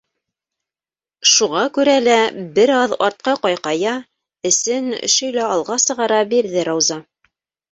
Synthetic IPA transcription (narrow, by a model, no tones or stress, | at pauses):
ʃuʁɑkʉɾælæbɘɾɑðɑɾt̪̚qɑqɑjqɑjɑ | ɘ̆sɘn̰̆ʃɵ̆jlæɑlˠʁɑsɤ̆ʁɑɾɑbiɾðɘɾɑwzɑ